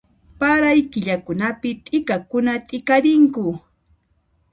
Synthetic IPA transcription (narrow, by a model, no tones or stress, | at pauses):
paɾajkɪʎakʊnapɪt̪ʼɪkakʊnat̪ʼɪkaɾɪŋkʊ